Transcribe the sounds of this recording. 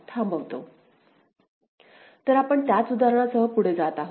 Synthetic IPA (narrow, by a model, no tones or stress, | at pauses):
t̪ʰãmbʱəʋt̪o̰ | t̪əɾapəɳt̪jat͡sud̪aɾəɳ̃asəɦəpuɽ̤ed͡zat̪aɦo